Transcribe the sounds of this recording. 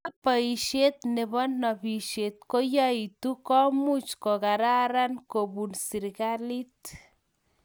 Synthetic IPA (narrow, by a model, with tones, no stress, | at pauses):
a˦pa˨i˨ʃe˦t̪̚ne˨bɔ˦nːɔ˨pi˨ʃe˨t̪̚ko˦ja˦it̪u˦kɔ˦mu˦t͡ʃkɔ˨ka˨ɾa˦ɾa˦nko˨pbunsi˨ɾka˦li˦t̪